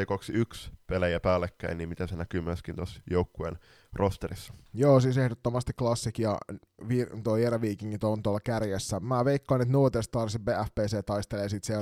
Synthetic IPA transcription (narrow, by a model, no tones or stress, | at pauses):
ekoksiykspelejæpæːlːekːæiniːmit̪æsenækymːyøskint̪osjoukːuḛn | rʔost̪eɾisːɑ̥joːsiːsehdot̪ːomɑst̪iklɑsːikjɑ̰ | ʋit̪oeɾæʋiːkiŋːit̪ont̪uolːɑkærjesːæmæːʋeikːɑːnːet̪not̪est̪t̪ɑrsibbeːæfpeːseːt̪ɑist̪elesiːt̪sie